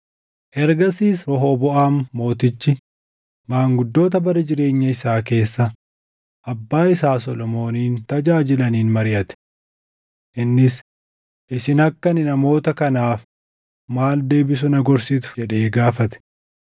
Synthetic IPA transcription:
ʔɛɾɡɐsiːsɾɔɦoːbɔʔaːmːo̞ːt̪ɪt͡ʃːɪ | maːŋɡʊd̪ːo̞ːt̪̬ɐbɐɾɐd͡ʒɪɾe̞ːɲːɐɪsaːke̞ːsːɐ | ʔɐbːaːɪsaːsɔlɔmo̞ːniːnt̪ɐd͡ʒaːd͡ʒɪlɐniːnmɐɾɪʔɐt̪ɛ̥ | ʔɪnːɪs | ʔɪsɪnɐkːɐnɪnɐmo̞ːt̪ɐkɐnaːf | maːld̪e̞ːbɪs̬ʊnɐɡɔɾsit̪̬ʊ̥d͡ʒɛᶑe̞ːɡaːfɐt̪ɛ̥

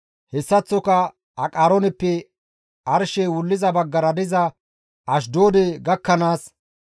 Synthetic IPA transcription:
hɛsːɐt͡sːɔkɐ | ɐkʼaːɾɔnɛpːɛ | ɐɾʃeːwʊlːɪzɐbɐɡːɐɾɐd̪ɪzɐ | ʔɐʃ̬d̪o̞ːd̪eɡɐkːɐnaːs

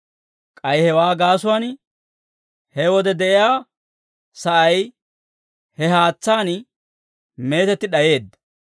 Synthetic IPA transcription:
kʼɐjhɛwaːɡaːsʊwaːn | hɛwɔd̪ɛd̪ɛʔɪjaː | sɐʔɐj | hɛɦaːt͡sːaːn | me̞ːt̪ɛt̪ːɪɗɐje̞ːd̪ːɐ

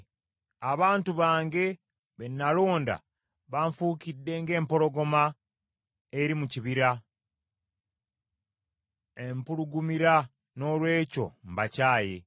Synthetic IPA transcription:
aβaːntuβaːŋɡe̞ | βenːalo̞ːnda̰ | βaɱfuːkidːe̞ŋɡe̞ːmpo̞ɾo̞ɡo̞ma | eɾimuciβiɾa | empuɾuɡumiɾa | no̞ːlwe̞ːco̞̰m̩bacaːje̞̰

